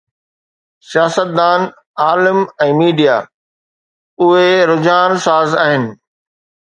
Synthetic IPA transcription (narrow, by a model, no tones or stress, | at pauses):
sijaːsət̪̚d̪aːn | aːlɪmɛ̃ːmiːɖija | ʊɦeɾʊd͡ʑaːnsaːzaːɦɪnɪ̆